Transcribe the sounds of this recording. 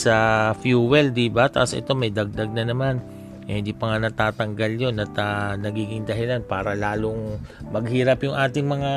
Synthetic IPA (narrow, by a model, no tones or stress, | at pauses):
sɐfjuːwɛld̪ibat̪ɐ̰ʔasʔɛ̰t̪o̞mɐjd̪ɐɡ̚d̪ɐɡ̚nɐnɐman | hɪ̃nd̪iːpɐŋanɐt̪aːt̪ɐŋɡaljo̞nʔɐt̪ɐnɐɡiːɡɪŋd̪ɐɦɪlanpaːɾɐlaːloŋ | mɐɡ̚hiːɾɐpjʊŋʔaːt̪ɪŋmɐŋa